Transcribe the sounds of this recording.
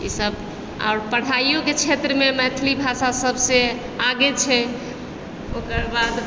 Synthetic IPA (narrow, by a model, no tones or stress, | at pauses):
ḭsəb | a̰oɾpəɽ̤ajjoket͡ʃʰet̪ɾəmemɛt̪ʰlibʱasasəbʱsẽ | aɡet͡ʃʰɛ | okəɾbad̪